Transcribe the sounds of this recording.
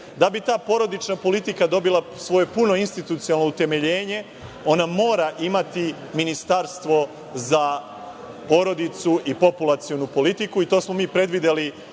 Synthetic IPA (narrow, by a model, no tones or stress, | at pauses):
d̪abit̪aːpo̞ɾo̞d̪it͡ʃnapo̞lit̪ikad̪o̞bila | sʋo̞je̞puno̞inst̪it̪ut̪sijalˠnout̪e̞me̞ʎe̞ːɲe̞ | o̞namo̞ːɾaʔimat̪i | minist̪aɾst̪ʋo̞ | za | po̞ɾo̞d̪it̪suʔipo̞pulˠat̪sijo̞nupo̞lit̪ikuit̪o̞ːsmo̞miːpɾe̞d̪ʋid̪eli